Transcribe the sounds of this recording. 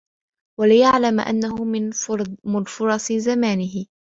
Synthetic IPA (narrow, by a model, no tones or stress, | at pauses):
walɪjaʕlamʔa̰nːahʊmɪnmɪnfʊɾˤɑsˤzamaːnɪɦɪ